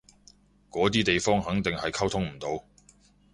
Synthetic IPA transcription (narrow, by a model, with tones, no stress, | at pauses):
kɔː˨˥t̪̬iː˥t̪e˨jfɔː˥ŋɦɐ˨˥ŋt̪ɪ˨ŋhɐ˨jkʰɐ˥wt̪ʰʊ˥ŋm̩˨˩t̪o˨˧w